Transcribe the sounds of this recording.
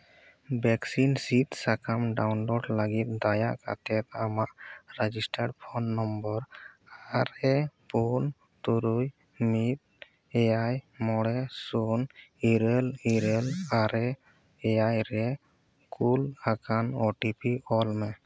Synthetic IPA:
bɛksinsit̪sakamɖawnlɔɖlaɡit̪̚d̪ajaʔka̰t̪ɛt̪̚amaʔɾɛd͡ʒisʈaɖpʰɔnːɔmbɔɾaɾɛpun | t̪uɾuj | mit̪̚ | ɛjajmɔɽɛsuniɾeliɾɛlaɾɛ | ɛjajɾɛ | kulakanɔʈipʰiɔlmɛ

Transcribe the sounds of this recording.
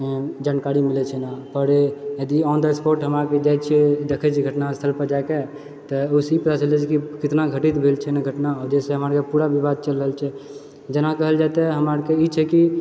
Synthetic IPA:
d͡ʒaːnkaɾimilɛt͡ʃʰɛnapəɾjəd̪iɔnd̪əespoɾʈɦəmɾaked͡ʒajt̪t͡ʃʰɛd̪ekʰɛt͡ʃʰiɡʱəʈnast̪ʰəlpəɾd͡ʒaeke | t̪ɔusipət̪at͡ʃəld͡ʒɛt͡ʃʰɛkikɪt̪naɡʱəʈit̪bʱelt͡ʃʰɛnaɡʱəʈnaɔɾd͡ʒɛseɦəməɾkepuɾabʱibad̪̚t͡ʃəlːəɦəlt͡ʃʰɛ | d͡ʒənakəɦəld͡ʒat̪eɦəməɾkeit͡ʃʰɛki

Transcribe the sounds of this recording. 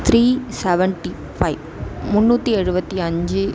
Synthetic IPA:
t̪ʰɾiːsɛʋɛɳʈi | faɪʋmʊnːuːt̪ːiɛɻɯbɐt̪ːiɐɲd͡ʒɯ

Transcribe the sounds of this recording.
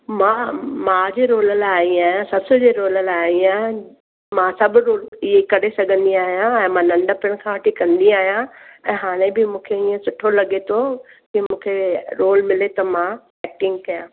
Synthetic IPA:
mãːmãːd͡ʑeːɾoːləlaĩaːjãsɐsʰʊd͡ʑeːɾoːləlajiã | mãsɐbɾoːlɪɦekɐɽesɐɡʱə̃nd̪iaːɦijãɛ̃ːmãnɐ̃ɳɖəpɪɽ̃kʰãːʋɐʈʰikɐ̃nd̪iaːɦijãɛ̃ːɦaːɽ̃ebɪmũːkʰeiːə̃sʊʈʰolɐɠet̪ʰo | kɪmũːkʰeɾoːlmɪlet̪ɐmã | ɛːk̚ʈɪ̃ŋɡkɐjã̰ː

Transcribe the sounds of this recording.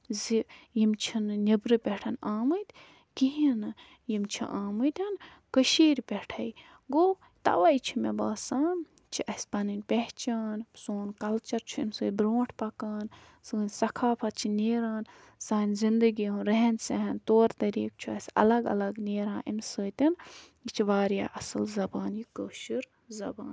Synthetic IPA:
zijimt͡ʃʰinnʲibɾɨpʲeʈʰɐnaːmɨt̪ʲ | kiɦinɨ | jimt͡ʃʰḭʔaːmɨt̪ʲɐn | kəʃiːɾʲpʲeʈʰɐj | ɡo | t̪ɐ̰ʋajt͡ʃʰimebaːsaːn | t͡ʃʰiʔɐsʲpɐnɨnʲpʲeɦt͡ʃaːnsoːnkɐlt͡ʃɐɾt͡ʃʰuinsɨːbɾoːʈʰpɐkaːn | sɨnʲsɐkʰaːpʰɐt̪̚t͡ʃʰineːɾaːn | saːnʲzind̪ɨɡiɦũnɾɐɦensɐɦɐnt̪oːɾt̪ɐɾḭːk̚t͡ʃʰuɐsʲɐ̰lɐɡɐ̰lɐɡneːɾãːʔinsəːt̪ʲɐn | it͡ʃʰiʋaːɾja̰ːʔɐsɐlzɐbaːnjikəʃiɾ | zɐbaːn

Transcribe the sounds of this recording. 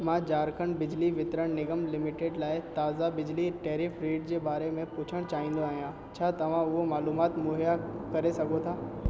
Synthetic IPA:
mãd͡ʑaːɾkʰəɳbɪd͡ʑliʋɪt̪ɾəɽ̃nɪɡəmlɪmɪʈeːɖlaːɪt̪aːzabɪd͡ʑliʈeːɾɪfɾeːɖd͡ʑeːbaːɾemẽpʊt͡ɕʰəɽ̃t͡ɕaːɦĩːnd̪oaːɦijã | t͡ɕʰaːt̪ɐʋ̤ãʊɦomaːluːmaːt̪mʊːɦijakɐɾesɐɡʱot̪ʰaː

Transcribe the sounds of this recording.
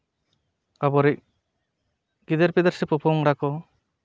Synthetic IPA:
abɔɾic̚ | ɡid̪eɾpid̪aɾsɛpɔpʰɔŋɾakɔ

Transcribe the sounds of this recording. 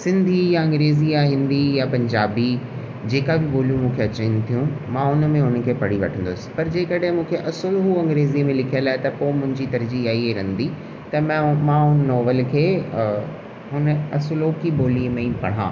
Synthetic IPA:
sɪ̃nd̪ʱijaɐ̃ŋɡɾeːzijaɦɪ̃nd̪ijapɐ̃ɲd͡ʑaːbi | d͡ʑeːkabʱɪboːlijũmũːkʰeɐt͡ɕənt̪ʰijũmãːɦʊnə̆mẽʊnə̆kʰeːpɐɽiʋɐ̰ʈʰə̃nd̪ʊsɪ̥pɐɾd͡ʑeːkɐɽɦɪ̃mũːkʰeʔɐsʊlɦuɐ̃ŋɡɾeːzimẽlɪkʰiəlaːɪt̪ɐpomʊ̃ɦɪ̃ɲd͡ʑit̪ɐɾd͡ʑiaːieɾɐ̃n̆d̪i | t̪ɐm̃mãːɦʊnənɔːʋəlkʰeː | ɦʊnəɐsʊloːkiboːliəmẽpɐ̰ɽ̤̃ã̰ː

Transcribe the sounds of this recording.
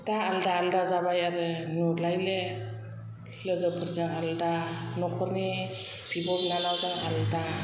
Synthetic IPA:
daːldaːldazabajaɾɯnulajle | lɯɡɯpʰɯɾzaŋaldanɔkʰɔɾni | pʰibɔbnanawzaŋalda

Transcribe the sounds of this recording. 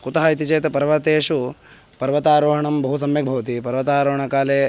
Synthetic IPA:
kut̪ɐɦɐit̪it͡ʃɐjt̪ɐpɐɾʋɐt̪eːʃu | pɐɾʋɐt̪aːɾoːɦɐɳɐmbɐɦus̬ɐmjɐk̚bʱɐʋɐt̪ipɐɾʋɐt̪aːɾoːɦɐɳɐkaːleː

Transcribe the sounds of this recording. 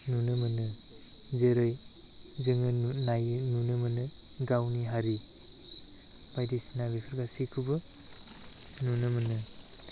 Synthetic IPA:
nunɯmɯnɯ | zeɾɯj | zɯŋɯnajɯnunɯmɯnɯ | ɡawniɦaɾi | b̥ajdisnabipʰɯɾɡasikʰɯbɯ | nunɯmɯnɯ

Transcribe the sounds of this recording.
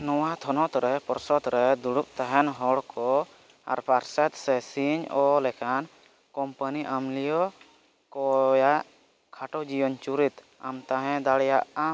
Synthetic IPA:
nɔwat̪ʰɔnɔt̪ɾɛpɔɾsɔt̪ɾɛd̪uɽup̚t̪aɦɛnɦɔɽkʰɔ | a̰ɾpaɾsɛt̪sɛsiɲɔlɛkʰan | kɔmpaniʔamlijɔ | kɔjaʔ | kʰaʈɔd͡ʒijɔɲt͡ʃuɾit̪ | a̰mt̪aɦɛ̃d̪aɽɛjaʔa

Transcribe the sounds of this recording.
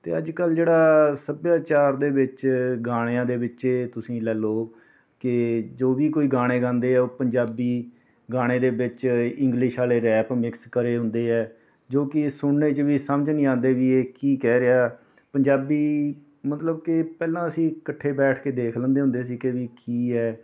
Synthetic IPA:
t̪eːəd͡ʒkəld͡ʒeːɽaːsəbjaːt͡ʃaːɾd̪eːbɪt͡ʃɡaːɽ̃eãːd̪eːʋɪt͡ʃeːt̪ʊsĩːlɛːloː | kɪd͡ʒoːʋiːkoːiːɡaːɽ̃eːɡãːnd̪eːɛːoːpəɲd͡ʒaːbiː | ɡaːɽ̃eːd̪eːbɪt͡ʃɪ̃ŋɡlɪʃaːleːɾɛːpmɪkskəɾeːɦʊ̃nd̪eːɛː | d͡ʒoːkɪsʊɳːeːt͡ʃʋiːsəməd͡ʒnĩːãːnd̪eːʋiːeːkiːkɛːɾɪaː | pəɲd͡ʒaːbiː | mət̪ləb̚kɪpɛːlãːəsĩːkəʈʰːeːbɛːʈʰkeːd̪eːkʰlənd̪eːɦʊ̃nd̪eːsiːkeʋiːkiːɛː

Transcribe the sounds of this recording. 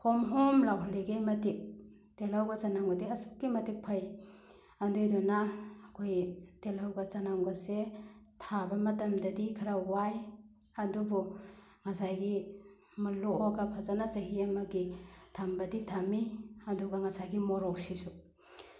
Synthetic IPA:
hɔmɦɔmlawɦleɡejmɐtik̚ | telawɡazanaŋɡɔdiɐsu̥k̚kːimɐtik̚pʰaj | ɐndujdɔnaːkʰojtelawɡɐzanaŋɡasetʰabɐmɐtɐmdɐdikʰaɾawaj | ɐdubɔ | ŋasajɡi | mɐluɔɡapʰazanaseɦiamɐɡitʰambɐditʰamiɐdɔɡaŋasajɡimɔɾɔk̚sisu

